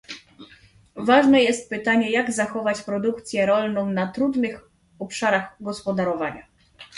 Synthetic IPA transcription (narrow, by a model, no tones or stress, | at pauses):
vaʐnɛjɛst̪̚pɘt̪aɲɛjaɡzaxɔvat͡ɕpɾɔd̪uk̚t̪sʲjɛɾɔlnɔ̃w̃nat̪ɾud̪nɘx | ɔpʂaɾaɣɡɔspɔd̪aɾɔvaɲa